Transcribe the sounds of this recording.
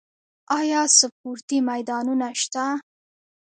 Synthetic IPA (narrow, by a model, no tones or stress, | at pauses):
ɑjɑsəp̚uɾt̪imajd̪ɑnunaʃt̪a